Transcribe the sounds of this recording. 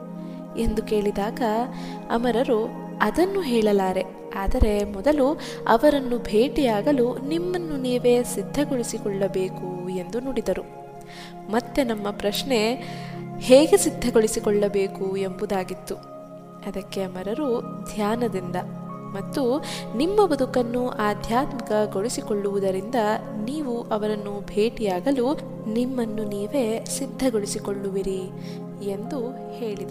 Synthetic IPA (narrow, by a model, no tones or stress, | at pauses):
e̞nd̪uke̞ːɭid̪aːɡɐ | ɐ̰mɐɾɐɾu | ɐd̪ɐnːuɦɛːɭɐlaːɾe̞ | aːd̪ɐɾe̞mɔd̪ɐlu | ɐ̰ʋɐɾɐnːubʱeːʈijaːɡɐlunimːɐnːuniːʋe̞ːsid̪ʱːɐɡoɭisikɔɭːɐbe̞ːkue̞nd̪unoːɽid̪ɐɾu | mɐt̪ːe̞nɐmːɐpɾɐʃne̞ | heːɡe̞sid̪ʱːɐɡoɭisikɔɭːɐbe̞ːkue̞mbud̪aːɡit̪ːu | ɐd̪ɐkːe̞ɐmɐɾɐɾud̪ʱjaːnɐd̪ind̪ɐmɐt̪ːunimːɐbɐd̪ʱukɐnːuʔaːd̪ʱjaːt̪mɐkɐɡoɭisikoɭːuʋud̪ɐɾind̪ɐniːʋuʔɐʋɐɾɐnːubʱe̞ːʈijaːɡɐlu | nimːɐnːuniːʋe̞ːsid̪ʱːɐɡoɭisikoɭːuʋiɾi | e̞nd̪u | he̞ːɭid̪